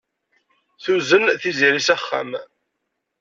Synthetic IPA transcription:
θuzənθiziɾisæχːæ̰m

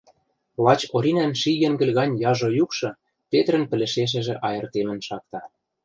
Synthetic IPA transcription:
lɑt͡ɕoɾʲinænʃiɣĕŋɡɘ̆lʲɣɑnʲjɑʒŏjukʃɤ̆ | pet̪ɾə̆npɘ̆lɘ̆ʃeʃ̬ɘ̆ʒĕʔɑjɤ̆rt̪emə̆nʃɑk̚t̪ɑ

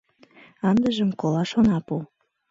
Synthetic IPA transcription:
ɑnd̪əʒəmkolɑʃonɑpu

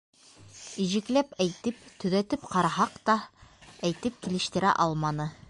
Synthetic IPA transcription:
iʒɘ̆klæpæjt̪ɘp̚t̪ɵ̆ðæt̪ɘpqɑɾɑɦɑqt̪ɑæjt̪ɘp̚kilɘ̆ʃt̪ɘ̆ɾæ̰ʔɑlˠmɑnɤ

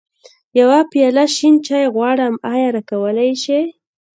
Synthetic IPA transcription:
jawapjɑlaʃint͡ʃɑjeɣwɑɽəmɑjɑɾakawəlajʃe

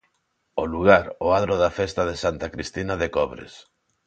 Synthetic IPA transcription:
oluɣaɾoaðɾoðafest̪aðesant̪akɾist̪inaðekɔβɾḛs

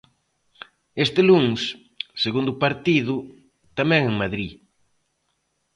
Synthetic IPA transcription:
est̪ɪluŋs | seɣund̪ʊpaɾt̪iðʊ | t̪amɛ̃ŋeŋmaðɾi

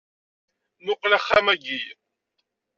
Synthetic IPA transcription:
mʊqlaχːamæɡij

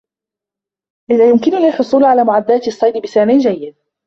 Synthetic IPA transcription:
ʔɪðaːjʊmkɪnʊliːħʊsˤuːlʕalaːmʊʕad̪ːaːt̪sˤːɑjd̪bɪsaːmɪnd͡ʒajːɪd̪̚

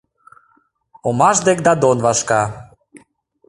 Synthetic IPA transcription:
omɑʒd̪ekd̪ɑd̪onvɑʃkɑ

